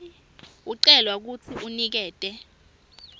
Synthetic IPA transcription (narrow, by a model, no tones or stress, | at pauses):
uǀɛlwak̬ut͡sʰiʔunik̬ɛːtʼɛ